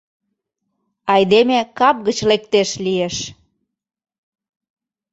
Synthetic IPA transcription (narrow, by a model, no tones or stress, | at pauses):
ɑjd̪emekɑp̚ɣət͡ɕlek̚t̪eʃlieʃ